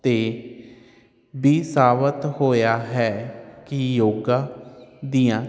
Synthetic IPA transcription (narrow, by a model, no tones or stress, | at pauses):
t̪eː | biːsaːʋət̪hoːjaːɦɛːkɪjoːɡaːd̪iːãː